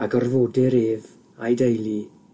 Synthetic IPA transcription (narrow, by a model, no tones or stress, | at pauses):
aɡɔrvoːdɪɾeːð | ajdejlˠi